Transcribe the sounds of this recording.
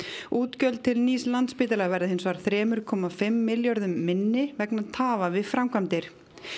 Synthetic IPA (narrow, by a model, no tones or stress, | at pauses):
uːt̪cœlt̪̚t̪ʰɪlniːslant̪spiːt̪alɛɣvɛɾðɪhɪnsvaːɾ̥θɾɛːmʏɾkʰɔːmafɪmːɪljɔɾðʏmːɪnːɪvɛknaðt̪ʰaːvavɪðfɾamkʰvamt̪ɪɾ̥